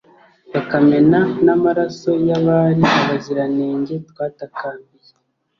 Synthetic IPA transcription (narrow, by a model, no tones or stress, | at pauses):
βakame̞nanamaɾaso̞jaβaːɾiaβaziɾane̞ːɲɟe̞twaːtakaːmbije